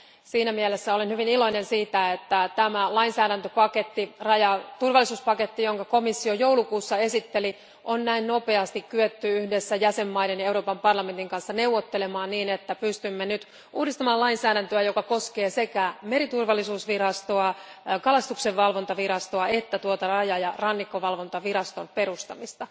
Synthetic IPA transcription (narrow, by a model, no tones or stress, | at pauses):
siːnæmielesːæo̞lenhyʋinilo̞inensiːt̪æet̪ːæt̪æmælɑinsæːɾænt̪øpɑket̪ːirɑjɑt̪urʋɑlːˑisuːspɑket̪ːijo̞ŋkɑko̞misːiojowlukuːsːɑesit̪ːeli | ʔonnæinno̞pe̞ɑst̪ikkyøt̪ːyyhdesːæjæse̞mːɑidenjɑe̞uɾoːpɑmpɑrlɑme̞nt̪iŋkɑnsːɑne̞uʋːot̪ːelemɑːnniːnet̪ːæpyst̪ymːenyt̪ | ʔuːdist̪ɑmɑːlɑinsæːɾænt̪øæjokɑko̞skeːsekæmeɾit̪urʋɑlːisuːsʋirɑst̪oɑ | kɑlɑst̪ukseʋʋɑlʋont̪ɑʋiɾɑst̪oɑet̪ːæt̪uot̪ɑrɑjɑjɑrɑnːikːoʋɑlʋont̪ɑʋiɾɑst̪onpe̞rust̪ɑmist̪ɑ